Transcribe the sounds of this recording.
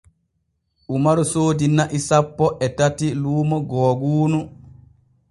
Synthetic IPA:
ʔumaɾusoːdinaʔisapːɔʔɛtatiluːmɔɡɔːɡuːnu

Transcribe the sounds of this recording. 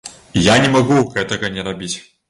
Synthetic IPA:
janʲɪmɐɡukɛt̪əɣɐnʲɛɾɐbʲitʲ

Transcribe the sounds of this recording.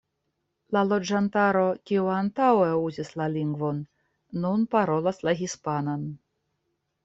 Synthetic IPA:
lalod͡ʒant̪aɾokʲiuant̪awɛuzʲislalʲiŋɡvonː | unpaɾolˠaslaɣʲispanon

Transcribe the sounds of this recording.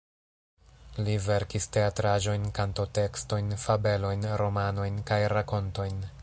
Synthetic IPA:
live̞ɾkiste̞atɾaʒo̞jnkantote̞ksto̞jnfabe̞lo̞jnɾo̞mano̞jnkajɾako̞nto̞jn

